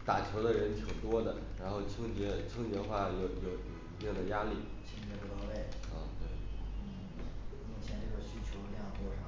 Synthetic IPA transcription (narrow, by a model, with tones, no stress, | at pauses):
t̪a˨˩t͡ɕʰjo˧˥ʊd̪ə˧ɻə˧˥nt͡ɕʰjo˨˩ʊt̪wɔ˥d̪ə˨ɻa˧˥nxo˥˩ʊt͡ɕʰɤ˥ŋt͡ɕɥɛ˧˥t͡ɕʰɤ˥ŋt͡ɕɥɛ˧˥xwa˥˩jo˥˩ʊjo˥˩ʊ˥˩pjɛ˥˩d̪ə˨˩ja˥li˥˩ | t͡ɕʰi˧˥ŋt͡ɕɛ˥˧˩pu˧˥t̪ɔ˥˧we˥˩ɪ | ɐ˥˩t̪we˥˩ɪ˧ | mi˥˩t͡ɕʰjɛ˧˥n˥˩ɡɕy˥t͡ɕʰjo˧˥ʊljɑ˥˩ŋxɔ˥˩˧